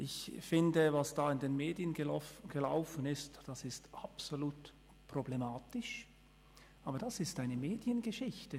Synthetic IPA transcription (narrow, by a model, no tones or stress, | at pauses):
ʔɪçfɪndəvasd̥aːɪndeːnmeːdjənɡ̥əlaʊfənɪstd̥asɪstʔapsoluːt | pʁ̥oblemaːtɪʃ | ʔaːbɐdasɪstaɪnəmeːdjənɡəʃɪçtə